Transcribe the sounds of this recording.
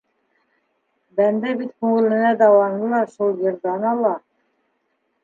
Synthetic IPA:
bænd̪æbit̪kʉŋɘ̆lɘ̆næd̪ɑwɑnd̪ɤlˠɑʃulˠjɤ̆ɾd̪ɑnɑlˠɑ

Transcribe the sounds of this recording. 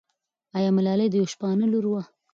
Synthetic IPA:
ɑjɑmɪlɑlejd̪əjowʃpɑnəluɾwa

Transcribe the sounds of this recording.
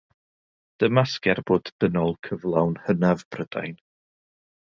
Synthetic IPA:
d̥əmaskɛrboːdd̥ənɔlˠkʰəvlˠawnhənavb̥rəd̥a̰jn

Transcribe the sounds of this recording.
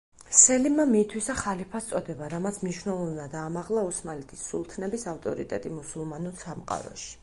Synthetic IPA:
sɛlimːamit̪ʰwisaχalipʰast̪sʼɔd̪ɛbaɾamat̪sʰmniʃwnɛlˠɔvnad̪aːmaʁlˠausmalit̪ʰisːulˠt̪ʰnɛbisaft̪ʼɔɾit̪ʼɛt̪ʼimusulˠmanusamqʼa̰ɾɔ̰ʃi̥

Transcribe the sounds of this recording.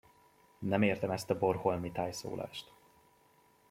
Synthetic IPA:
nɛmeːrt̪ɛmɛst̪ɒborholmit̪aːjso̰ːlʔa̰ːʃt̪

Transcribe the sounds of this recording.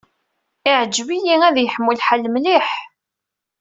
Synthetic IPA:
ɪʕəd͡ʒːvijiæðjəħəmːulħalmliħ

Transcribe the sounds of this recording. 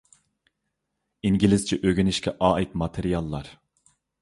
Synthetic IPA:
iŋɡʲilɪst͡ʃʰɛʔøɡʲynɪʃkʲʰɛʔɑːit̪̚mɑt̪ʰeɾijɑlˠːɑɾ

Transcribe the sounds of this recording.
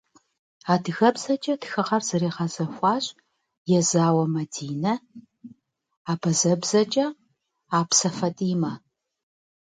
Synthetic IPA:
aːdɨɣɐbzɐt͡ʃʼɐdxɨʁɐrz̥ɨɾeːʁɐzɐxʷɑːɕʼ | jɛzaːwɐmɐdiːnɐ | aːbɐzɐbz̥ɐt͡ʃʼɐ | aːpsɐfɐtʼiːmɐ

